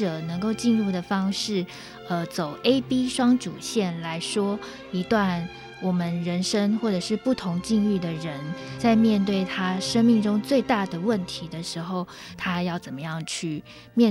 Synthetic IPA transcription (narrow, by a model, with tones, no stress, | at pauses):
ɤ˨˩nə˧˥ŋko˥˧ʊt͡ɕi˥˧nɻu˥˩d̪ə˩fɑ˥ŋʂɻ̩˥˩ | ə˧t͡so˨˩ʊʔe˥ɪpi˥ʂwɑ˥ŋʈ͡ʂu˨˩ɕjɛ˥˩nla˧˥ɪʂwɔ˥ | i˧˥t̪wa˥˩n | wɔ˨˩mə˦nɻə˧˥nʂə˥ŋxwɔ˥˩ʈ͡ʂɤ˨˩ʂɻ̩˥˧pu˥˩t̪ʰʊ˧˥ŋt͡ɕi˥˧ŋy˥˩d̪ə˩ɻə˧˦˥nt͡sa˥˧ɪmjɛ˥˧nt̪we˥˩ɪt̪ʰa˥ʂə˥ŋmi˥˩ŋʈ͡ʂʊ˥ŋt͡swe˥˧ɪt̪a˥˩d̪ə˩wə˥˩nt̪ʰi˧˥d̪ə˨ʂɻ̩˧˥xo˥˩ʊ | t̪ʰa˥jɑ˥˩ʊt͡sə˨˩nmə˦jɑ˥˩ŋt͡ɕʰy˥˩ | mjɛ˥˧